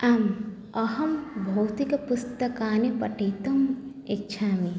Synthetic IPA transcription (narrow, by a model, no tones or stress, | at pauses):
aːm | ɐhɐmbʱɐwt̪ikɐpust̪ɐkaːnepɐʈiːt̪ɐm | ɪtːʃʰaːmi